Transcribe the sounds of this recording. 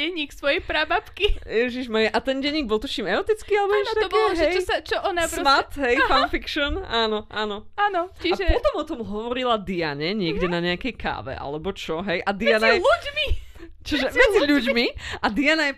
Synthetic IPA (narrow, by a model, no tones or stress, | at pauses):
ɛɲiksʋɔjɛjpɾabapkijɛʒiʒmaɛʔat̪ɛnɟɛɲːiɡbɔlˠt̪ɔt͡ʃiːmɛɔt̪it͡skialɛbɛʃt̪abkɔɛʒɦɛjsat͡ʃɔʔɔnasɾmat̪ɦɛjfanfikʃɔnʔaːnɔʔaːnɔanɔt͡ʃiaʒɛpɔt̪ɔmɔt̪ɔmɦɔʋɔɾilad̪iaɲɛɲɪɛɡɟɛnaɲɛakɛjka̰ːʋɛ̰ʔa̰lɛbɔt͡ʃɔɦɛjʔad̪ianajɛluɟmi | t͡ʃiʒɛmɛd͡ziʎuɟmiʔad̪ianajɛ